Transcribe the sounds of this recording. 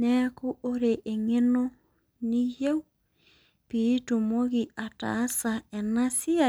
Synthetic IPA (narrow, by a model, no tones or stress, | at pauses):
nɛkuʔoɾeʔeŋeno | nihɛw | piːtumoɣiata̰ːsaɛnasia